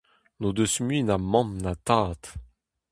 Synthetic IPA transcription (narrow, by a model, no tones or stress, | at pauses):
nod̪øsmɥinamɑ̃mnat̪aːt̪